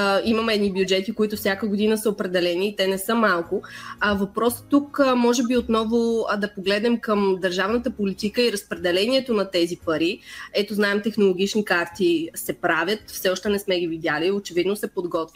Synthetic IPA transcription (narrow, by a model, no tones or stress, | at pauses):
iməmɛɛd̪nibjud͡ʒɛt̪ikoit̪ʊfsʲjakəɡod̪inəsəopɾɛd̪ɛlɛniːt̪ɛnɛsɤmalˠkʊvɐpɾɔsə̥t̪ukmɔʒɛbiot̪nɔvʊd̪ɐpoɡlɛd̪nɛmkəmd̪əɾʒavnət̪əpolit̪ikəiɾəspɾɛd̪ɛlɛniɛt̪onɐt̪ɛzipɐɾiɛt̪oznaɛmt̪ɛxnolˠoɡ̟it͡ʃnikaɾt̪isɛpɾavʲjət̪fsɛɔʃt̪ɛnɛsmɛɡivid̪ʲjaliot͡ʃɛvid̪nosɛpod̪ɡɔt̪vi